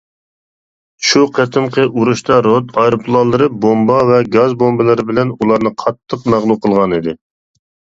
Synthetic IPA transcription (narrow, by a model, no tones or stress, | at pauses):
ʃuqʰæt̪ʰɪmqʰəʔuɾuʃt̪ɑɾot̪ɑjɾopʰlˠɑlˠɨɾɨbombɑvɛɡɑzbombɨlˠɨɾɨbɪlɛnulˠɑɾnɨqʰɑt̪ʰːəqmæʁlˠuqʰəlˠʁɑnid̪ɪ